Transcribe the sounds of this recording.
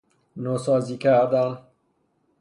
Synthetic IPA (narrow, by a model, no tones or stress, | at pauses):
nosɒːziːkʰæɾd̪æn